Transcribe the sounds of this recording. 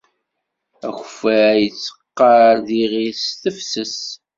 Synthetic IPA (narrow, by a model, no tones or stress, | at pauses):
æ̰çfæjət͡sːə̥qːəɾðiʁisθəfsəs